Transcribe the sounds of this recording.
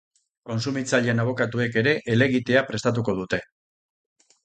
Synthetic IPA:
ko̞nsumit͡saʎenaβ̞o̞kat̪ue̞ke̞ɾe̞ʔele̞ɣit̪e̞apɾe̞st̪at̪̬uko̞ð̞ut̪e̞

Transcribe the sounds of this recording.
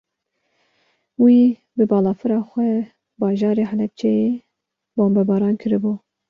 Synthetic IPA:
wiː | bɨbɑːlɑːfɨɾɑːxʷɛ | bɑːʒɑːɾeːɦɛlɛp̚t͡ʃʰɛje | boːmbɛbɑːɾɑːnkʰɨɾɨbuː

